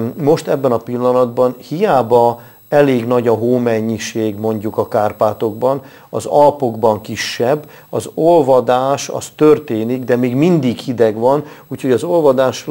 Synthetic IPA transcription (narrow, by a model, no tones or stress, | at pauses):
mo̞ʃt̪ɛbːɛnɒpilːɒnɒd̪̚bɒnhijaːbɒ | ɛleːɡn̪ɒɟɒɦoːmɛɲːiʃeːɡmo̞ɲɟukɒkaːrpaːt̪o̞ɡ̚bɒn | ɒzɒlpo̞ɡbɒŋkiʃːɛbː | ɒzo̞lvɒd̪aːʃɒ̰st̪ørt̪eːniɡd̪ɛmeːɡmind̪iɡhid̪ɛɡʋɒnuːcho̞ɟɒzo̞lvɒd̪aːʃ